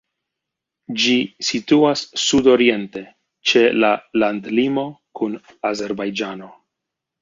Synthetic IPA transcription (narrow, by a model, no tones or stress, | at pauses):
d͡ʒisituasːudo̞ɾie̞nte̞ | t͡ʃe̞lalandlimo̞kun | aze̞ɾbajd͡ʒano̞